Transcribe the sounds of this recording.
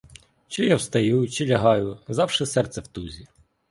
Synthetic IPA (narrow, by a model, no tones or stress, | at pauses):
t͡ʃɪjawst̪ɐjut͡ʃɪlʲɐɦɑjʊzɑwʃɛsɛrt̪sɛwt̪uzʲi